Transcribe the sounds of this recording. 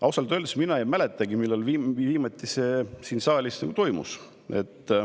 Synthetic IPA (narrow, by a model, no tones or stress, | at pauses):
ɑwsɑlt̪øld̪sminɑejmælet̪ˑːɑɡimilːelviːviːmɑt̪ʲːˑise̞ːsiːnsɑːlʲisnɑ̰ɡut̪o̞jmṵs | e̞̰t̪ːˑ